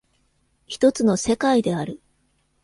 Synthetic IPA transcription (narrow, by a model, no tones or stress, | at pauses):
çi̥t̪o̞t͡sɨno̞se̞kaid̪e̞aɾɯ̟